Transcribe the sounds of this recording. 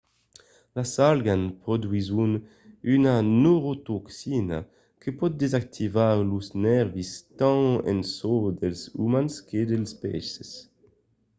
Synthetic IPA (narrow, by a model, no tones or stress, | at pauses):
lasalɡanpʁod̪ɥizun | ynanoʁot̪oksina̰ | kʰəpɔt̪̚d̪ezak̚t̪ʰivalusnɛʁvist̪ɑ̃ɛ̰̃nsod̪ɛlzṵmansked̪elspɛ̰ses